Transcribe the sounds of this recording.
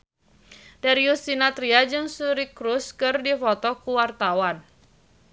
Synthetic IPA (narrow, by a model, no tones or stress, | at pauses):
daɾiusinat̪ɾiad͡ʒɨŋsuɾikɾuskɨrdifɔt̪ɔkuwart̪awan